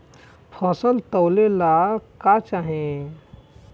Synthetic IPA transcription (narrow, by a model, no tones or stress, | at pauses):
pʰɔːsəlt̪əʊlelakat͡ʃaːɦẽ